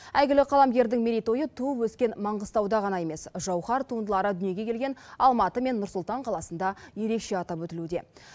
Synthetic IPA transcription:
æjɡʲɪlɪqʰɑlˠɑmɡʲe̞ɾd̪ɪŋmeɾʲijt̪o̞jət̪ʰuəpwɵskʲe̞nmɑɴʁəst̪ɑwd̪ɑʁɑnɑje̞me̞sʒɑwχɑɾt̪ʰuənd̪əlˠɑɾəd̪ʏnije̞ɡʲe̞kʲʰe̞lɡʲe̞nɑlˠmɑt̪əme̞nːʊɾsʊlˠt̪ɑɴqʰɑlˠɑsənd̪ɑje̞ɾe̞kʃe̞ɑt̪ɑpwɵt̪ɪlud̪e̞

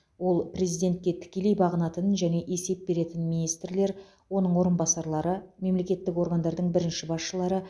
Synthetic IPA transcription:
wo̞lˠprʲe̞zijd̪e̞nt̪̚kʲe̞t̪ʰɪ̥kʲe̞le̞jbɑʁənɑt̪ənʒæne̞ʔe̞se̞p̚be̞ɾe̞t̪ɪnminijst̪rle̞ɾ | wo̞nəɴwo̞ɾənbɑsɑɾlˠɑɾəme̞mle̞kʲe̞t̪ːɪko̞ɾɡand̪ɑɾd̪əɴbɪɾɪnʃɪbɑsʃəlˠɑɾə

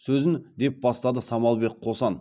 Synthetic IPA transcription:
sɵzɪnd̪e̞p̚bɑst̪ɑd̪əsɑmɑlˠbe̞qʰːo̞sɑn

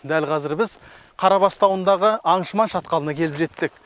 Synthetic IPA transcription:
d̪ælqʰɑzɪɾbɪz | qʰɑɾɑβɑst̪ɑwənd̪ɑʁəʔɑɴʃəmɑnʃɑt̪qɑlˠənɑkʲʰe̞lɪpʒe̞t̪ːɪk̚

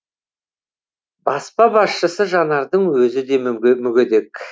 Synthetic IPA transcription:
bɑspɑbɑsʃəsəʒɑnɑɾd̪əɴwɵzɪd̪e̞mmʏɡʲed̪e̞kʲ

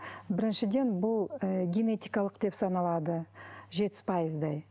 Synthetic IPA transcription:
bɪɾɪnʃɪd̪e̞nbʊlˠəɡʲene̞t̪ijkɑlˠəqd̪e̞psɑnɑlˠɑd̪əʒe̞t̪ɪ̥spʰɑjəzd̪ɑj

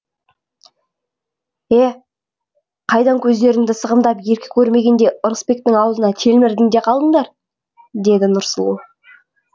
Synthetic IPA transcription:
e | qʰɑjd̪ɑŋkʲʰɵzd̪e̞ɾɪŋd̪ɪsəʁəmd̪ɑpje̞ɾkʲɪ̥kʲʰɵɾme̞ɡʲe̞nd̪e̞ʔʊɾəspe̞k̚t̪ɪŋɑwzənɑt̪ʰe̞lmɪɾd̪ɪŋd̪e̞qʰɑlˠd̪əɴd̪ɑɾ | d̪e̞d̪ɪnʊɾsəlˠṵ

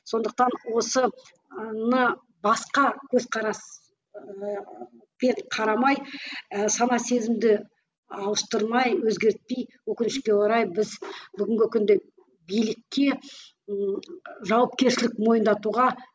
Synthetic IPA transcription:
so̞nd̪əq̚t̪ɑnwo̞sə | nnə | bɑsqɑkʲʰɵzqʰɑɾɑs | pe̞ɴqʰɑɾɑmɑjəsɑnɑse̞zɪmd̪ɪ | ɑwəst̪əɾmɑjwɵzɡʲe̞ɾt̪̚pe̞jwɵkʲɪnɪʃkʲe̞woɾɑjbɪzbʏɡʲɪŋɡʲɪkʲʰʏnd̪e | bijlɪkʲːe̞ | ʒɑwɑp̚kʲe̞ɾʃɪlɪk̚mo̞jənd̪ɑt̪uʁɑ

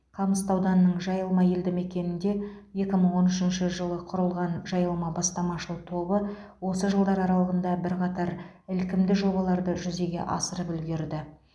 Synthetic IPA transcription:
qʰɑməst̪ɑwd̪ɑnːəɴʒɑjəlˠmɑje̞ld̪ɪme̞kʲe̞nɪnd̪e̞ | je̞kʲɪməɴwo̞nʏʃɪnʃɪʒəlˠəqʰʊɾəlˠʁɑnʒɑjəlˠmɑbɑst̪ɑmɑʃəlˠt̪ʰo̞bə | wo̞səʒəlˠd̪ɑɾɑɾɑlˠəʁənd̪ɑbɪɾqʰɑt̪ɑɾ | ɪlkʲɪmd̪ɪʒo̞bɑlˠɑɾd̪əʒʏze̞ɡʲe̞̰ʔɑsəɾəpʏlɡʲeɾd̪ɪ

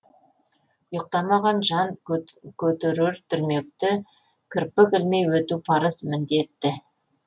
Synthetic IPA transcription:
ʊjəq̚t̪ɑmɑʁɑnʒɑŋkʲʰɵt̪ɪɾɪɾt̪ʰʏɾme̞k̚t̪ɪ | kʲʰɪɾpːɪkʲɪlme̞jwɵt̪upʰɑɾəsmɪnd̪e̞t̪ːɪ

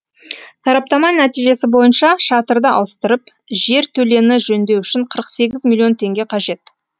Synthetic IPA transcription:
sɑɾɑp̚t̪ɑmɑnæt̪ijʒe̞sɪbo̞jənʃɑʃɑt̪əɾd̪əʔɑ̰wəst̪əɾəp | ʒe̞ɾt̪ʰɵle̞nɪʒɵnd̪e̞wʏʃɪɴqʰəɾəqse̞ɡʲɪzmʲilʲːjo̞nt̪ʰe̞ŋɡʲe̞qʰɑʒe̞t̪

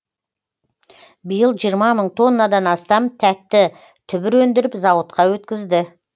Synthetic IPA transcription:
bijəlˠʒijəɾmɑməɴt̪ʰo̞nːad̪ɑnɑst̪ɑmt̪ʰæt̪ːɪ | t̪ʰʏbɪɾwɵnd̪ɪɾɪpzɑwət̪qɑwɵt̪kʲɪzd̪ɪ

